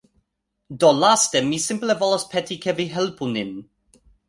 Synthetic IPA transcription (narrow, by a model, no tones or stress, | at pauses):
dɔlastɛmisɪmplɛvɔlɔspʰɛtikʰɛviɦɛlpunɪn